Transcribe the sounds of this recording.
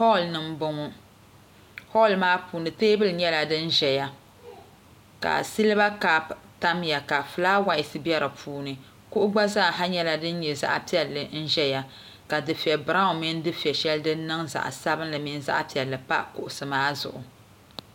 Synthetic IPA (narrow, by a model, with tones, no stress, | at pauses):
hɔ˦˨lnɨ˨m̩˦bʊ˦ŋɔ˦ | hɔ˦˨lmaː˦puː˨nɨ˨teː˦bɨ˦lɲɛ˦la˨dɨ˦n˦ʒɛ˨ja˨ | ka̰˨si˦lba˦ka˦pta˦mja˨ka˨fɨ˨laː˦wa˨ɪ˨sɨ˦bi˦ɛ˦ɾɨ˨pʰuː˨˦nɨ˨ | ku˦ʔʊ˦ɡ͡ba˦za˦˨ɦa˦ɲɛ˦la˨dɨ˦n˦ɲɛ˨za̰˦ʔa˨pi˦ɛ˨lːɨ˨n̩˦ʒɛ˦ja˨ | ka˨dɨ˨fi˨ɛ˨bɾa˦ʊ˨mɪ˦n˦dɨ˦fɛ˨ʃɛ˦ldɨ˦nː˦ɨ˦ŋza̰˨ʔsa˦bɨ˦nlɨ˨mi˨n˦za̰˦ʔpi˨ɛ˨lːɨ˨pa˦kʊ̰˨ʔʊ˨sɨ˨maː˦zʊ̰˨ʔʊ˨